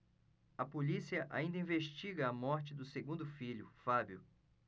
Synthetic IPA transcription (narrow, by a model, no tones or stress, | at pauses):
ɐpolisiɐʔa̰ĩnd̪ɐĩveʃt͡ʃiɡɐːmɔɾt͡ʃɪd̪ʊseɡũnd̪ʊfiʎʊfabjʊ